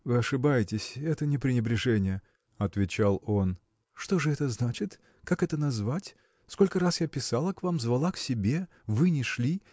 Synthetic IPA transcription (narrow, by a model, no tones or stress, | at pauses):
vɨɐʂɨbajɪtʲɪsʲɛt̪ənʲɪpɾʲɪnʲɪbɾʲɪʐɛnʲɪjə | ɐt̪vʲɪt͡ɕalˠo̞n | ʂt̪o̞ʐɨɛt̪əznat͡ɕɪt̪ | kakɛt̪ənɐzvatʲ | sko̞lʲkəɾasjapʲɪsalˠəkvamzvɐlˠaksʲɪbʲe̞ | vɨnʲɪʂlʲi